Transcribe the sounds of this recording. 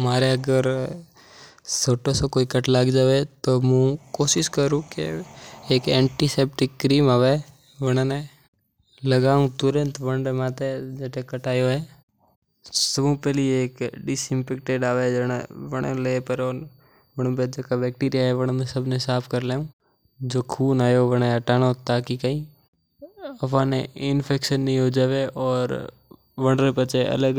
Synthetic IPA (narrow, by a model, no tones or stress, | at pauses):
maːɾeɐɡəɾ | soːʈosokoːikɐʈlaɡd͡ʒaːʋet̪omũkoːʃɪʃkəɾũkḛː | kɛ̃ːɳʈiseːp̚ʈɪkːɾiːmaːʋe | ʋɐɽ̃ãne | lɐɡaːũt̪ʊɾə̃nt̪ʋɐ̃ɳɖmaːt̪ed͡ʒɛːʈ̪ekɐʈaːjoɦɛː | sɐbũpɛlieːkɖɪsɪ̃mpeːk̚ʈeːɖaːʋed͡ʒəna̰ʋəɽ̃ḛleːpəɾɔːɾ | ʋəɽ̃ũped͡ʒekabɛːk̚ʈiːɾijaɦɛʋəɽ̃mẽsəbʱnesaːpʰkəɾleːũː | d͡ʒoːkʰuːnaːjoʋəɽ̃eaʈaːñot̪aːkikəɦĩ | ɐpaːnḛɪnpʰeːkʃənːɐĩɦoːd͡ʒaːʋeɔːɾ | ʋə̃ɳɖɾepət͡ʃʰeɐ̰ləɡ